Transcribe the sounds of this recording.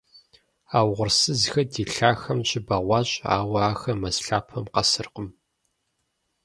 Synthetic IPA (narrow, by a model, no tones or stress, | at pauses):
aːwʁʷʊrsɨzxɐdiːɬaːxɐmɕʼɪbɐʁʷɑːɕʼa̰ːwʷɐaːxɐmɐsɬaːpʰɐmqɐsɨrqəm